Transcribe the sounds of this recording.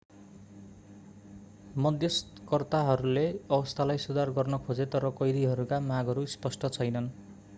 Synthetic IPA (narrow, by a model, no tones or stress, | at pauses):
mʌd̪ʱjʌskʌrt̪aɦʌɾuleʌbʌst̪ʰalajsud̪arɡʌrnʌkʰod͡zet̪ʌɾʌkʌjd̪iɦʌɾukamaɡʌɾuspʌsʈʌt͡sʰʌjnʌn